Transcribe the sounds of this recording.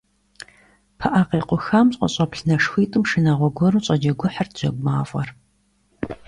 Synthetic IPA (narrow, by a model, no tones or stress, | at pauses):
pʰɐʔaːqeːqʷʊxamɕʼqʷʼɔ̰ɕʼɐpɬnɐʂxʷiːtʼɨmʂɨnaːʁʷɔɡʷɔɾuːɕʼɐd͡ʒɐɡʷʊħartz̥ɐ̰ɡʷmaːfʼɐ̰r